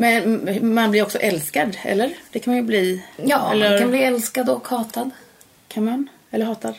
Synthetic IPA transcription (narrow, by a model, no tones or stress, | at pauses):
mɛnmanblɪɾɔksɔʔɛlskad̪ɛ̰lːəɾd̪̥ɛkʰanmanjɵbliːjɑːɛlːəkʰanbliːɛlskad̪ɔkhɑːt̪ad̪ | kʰanman | ɛlːəɾɦɑːt̪ad̪